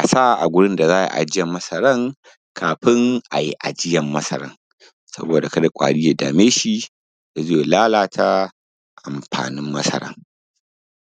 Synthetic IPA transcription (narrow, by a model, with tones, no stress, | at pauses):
ʔa˨saː˦ʔʔa˨ɡʷʊ˦ɽɪ˦nda˨zaː˦jḭ˦ʔa̰˨d͡ʒɪ˦jɐ˨mːɐ˦sɐ˦ɾɐ˦ŋ | kʰaː˨ɸɪ˦ŋʔa˨ji˦ʔa̰˨d͡ʒɪ˦jɐ˨mːɐ˦sɐ̰˦ɾɐ̰˦ŋ | sɐ̰˦boː˨da˨ka˦da˨kʷʼa̰ː˨ɽɪː˦ja˨daː˨meː˦ʃi˦ | da˨ze˦˨laː˦laː˨tʰa˦ | ʔa˨mɸa̰ː˨nɪ˦mːɐ˦sɐ̰˦ɾɐ̰˦ŋ